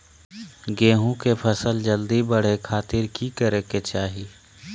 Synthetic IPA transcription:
ɡeːɦũkepʰəsəld͡ʒəld̪ibəɽ̤ekʰaːt̪ɪɾkikəɾeket͡ʃaːɦi

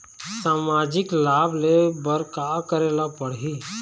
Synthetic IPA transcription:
saːmaːd͡ʒɪklaːblebəɾkaːkəɾeːlapəɽ̤ɦi

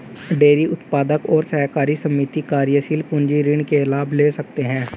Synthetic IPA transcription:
ɖeːɾiʔʊt̪paːd̪əkɔːɾsɛkaːɾisəmːiːt̪ikaːɾjəsiːlpʊ̃ɲd͡ʒiɾɪɳkelaːbʱleːsəkt̪eɦɛ̃ː

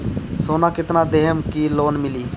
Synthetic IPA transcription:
soːnaːkɪt̪nad̪eɦəmkiloːnmɪliː

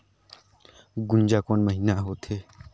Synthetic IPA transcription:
ɡʊnd͡ʒaːkoːnməɦiːnaːɦoːt̪ʰeː

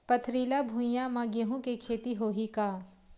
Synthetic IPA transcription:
pɐt̪ʰɾiːlabʱũjamãɡeɦũkekʰeːt̪iɦoːɦikaː

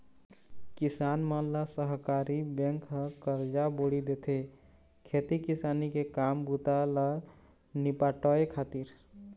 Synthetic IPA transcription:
kɪsaːnmənlasəɦkaːɾibɛ̃ŋkɦəkəɾd͡ʒaboɽid̪et̪ʰe | kʰet̪ikɪsaːnikekaːmbut̪ala | nipaʈɔekʰaːt̪iɾ

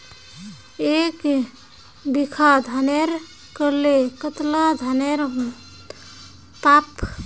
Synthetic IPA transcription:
ek | bikʰad̪ʱaneɾ | kəlekət̪lad̪ʱaneɾ | pap

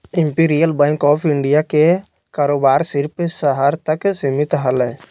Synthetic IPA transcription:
ɪ̃mpiːɾijəlbɛ̃ːŋkɔːpʰɪ̃ɳɖijake | kaːɾoːbaːɾsɪɾpsəɦəɾt̪əksimɪt̪ɦəlɛ

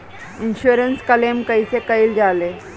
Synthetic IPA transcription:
inɕuɾənskəlemkəjsekəiːld͡zale

